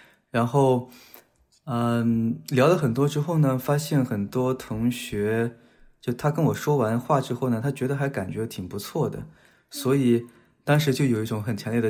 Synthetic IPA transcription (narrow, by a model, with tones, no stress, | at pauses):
ɻa˧˥nxo˥˩ʊ | ə˧ljɑ˧˥ʊlə˧˩xə˨˩nt̪̬wɔ˥ʈ͡ʂɻ̩˥xo˥˩ʊnə˩fa˥ɕjɛ˥˩nxə˨˩nt̪wɔ˥t̪ʰʊ˧˥ŋɕɥɛ˧˥ | t͡ɕjo˥˩t̪ʰa˥kə˥nwɔ˨˩ʂwɔ˥wa˧˥nxwa˥˩ʈ͡ʂɻ̩˥xo˥˩ʊnə˩t̪ʰa˥t͡ɕɥɛ˧˥d̪ə˧xa˧˥ɪka˨˩nt͡ɕɥɛ˧˥t̪ʰi˨˩ŋpu˧˥t͡sʰwɔ˥˩d̪ə̰˩ | swɔ˧˥i˨˩˦ | t̪ɑ˥ŋʂ̬ɻ̩˧˥t͡ɕjo˥˩ʊjo˨˩ʊi˥˩ʈ͡ʂʊ˧˥ŋxə˨˩nt͡ɕʰjɑ˧˥ŋljɛ˥˩d̪ə